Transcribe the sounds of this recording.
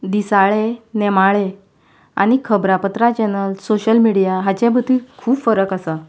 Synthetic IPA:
d̪isaɭenɛmaɭe | a̰ɽ̃ikʰəbɾapət̪ɾat͡ɕɛnəlsoɕəlmiɽijaɦat͡ɕɛ̃bʱət̪ikʰuːbfəɾəkasa

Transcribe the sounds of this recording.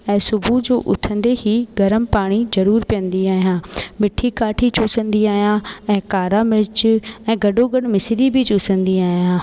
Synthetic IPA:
ɛ̃ːsʊbʱud͡ʑoːʔʊ̰t̪ʰə̃nd̪ehiːɡɐɾəmpaːɽ̃izɐɾuːɾpijə̃nd̪iaːɦijãːmɪʈʰikaːʈʰit͡ɕuːsə̃nd̪iaːɦijãɛ̃ːkaːɾamɪɾɪt͡ɕɛ̃ːɡɐɖoɡɐɽmɪsɾibʱɪt͡ɕuːsə̃nd̪iaːɦijãː

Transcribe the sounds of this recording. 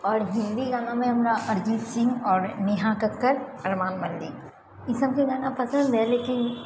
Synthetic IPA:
ɔːɾɦɪ̃nd̪iɡaːnãmẽɦɐmɾaʔɐɾd͡ʒiːt̪sɪ̃ŋɡɔːɾnɪɦakəkːəɾɐɾmaːnmɐld̪ḭː | ɪsɐb̚kiɡaːnapɐsə̃nd̪ɦɛːleːkɪn

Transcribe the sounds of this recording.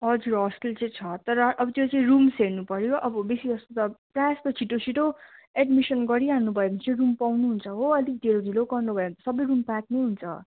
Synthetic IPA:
ɦʌd͡zuɾɦʌskilt͡sʌ̃j̃t͡sʰʌt̪ʌɾʌʔːbʌt̪jot͡saĩɾumseɾnupʌɾjoʔʌbʌbesid͡zʌst̪ot̪ʌprajast̪ot͡sʰiʈot͡sʰiʈoeɖmisʌnɡʌɾiɦannubʱʌebʌnt͡sʌĩrumpawnuɦunt͡sʰʌɦoʌd̪ik̚d̪ʱeɾonilokɡʌrnubʱʌeʌnt̪ʌ̥sʌbʌjrumpak̚nʌjɦunt͡sʰʌ̰

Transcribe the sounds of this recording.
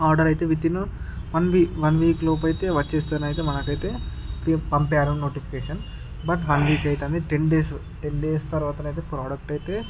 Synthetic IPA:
aːɾɖɐɾɐjt̪eːʋit̪ːinuʋɐnʋiːʋɐnʋiːkloːp̬ɐjt̪eːʋɐt͡ʃːeːst̪uɐnɐːjt̪eːmɐnɐkɐjt̪eːpipɐmpaːɾunoːʈipʰi̥keːʂɐn | bɐʈʋɐnʋiːkɐjt̪eɐnd̪iʈeɳɖeːs | ʈeɳɖeːst̪ɐɾʋaːt̪ɐnɐjt̪eːpɾaːɖɐk̚ʈɐjt̪eː

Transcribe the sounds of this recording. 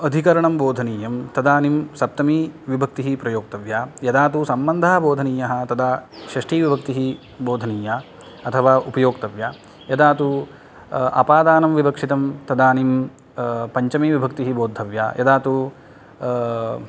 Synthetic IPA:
ɐd̪ʱikɐɾɐɳɐmboːd̪ʱɐniːjɐmt̪ɐd̪aːnimsɐp̚t̪ɐmiʋibʱɐk̚t̪iɦipɾɐjoːk̚t̪ɐʋjaːjɐd̪aːt̪usɐmbɐnd̪ʱaːɐboːd̪ʱɐniːjɐɦɐ̆t̪ɐd̪aːʃɾɐʂʈʰiːʋibʱɐk̚t̪iɦi | boːd̪ʱɐniːjaː | ɐt̪ʰɐʋaːupɐjoːkt̪ɐʋjaː | jɐd̪aːt̪u | ɐ̰paːd̪aːnɐmʋibɐkʂit̪ɐmt̪ɐd̪aːnim | pɐɲt͡ʃɐmiʋibʱɐk̚t̪iɦiboːd̪ʱɐʋja̰ːjɐd̪aːt̪u

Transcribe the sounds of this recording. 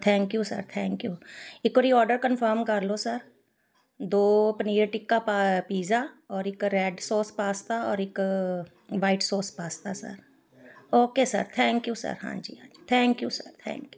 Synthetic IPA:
t̪ʰɛ̃ːŋkjusə̰ɾt̪ʰɛ̃ːŋkjuːɪkoɾiɔːɾɖəɾkənfəɾmkɐɾlosəɾ | d̪oːpəniːɾʈɪkːappiːzaɔːɾɪkɾɛːɖsoːspaːst̪aɔ̰ːɾɪk | ʋaːɪʈsoːspaːst̪asə̰ɾ | oːkesə̰ɾt̪ʰɛ̃ːŋkjuːsə̰ɾɦã̰ːd͡ʒḭːɦã̰ːd͡ʒiːt̪ʰɛ̃ːŋkjuːsəɾt̪ʰɛ̰̃ːŋkju

